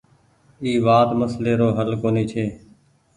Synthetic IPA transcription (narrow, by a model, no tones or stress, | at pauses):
iːʋaːt̪məsleːɾoːɦəlkoːniːt͡ʃʰeː